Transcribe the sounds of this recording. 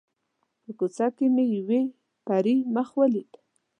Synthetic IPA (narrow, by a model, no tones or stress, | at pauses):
pəkʊt͡sakemejwe | paɾimaχwalit̪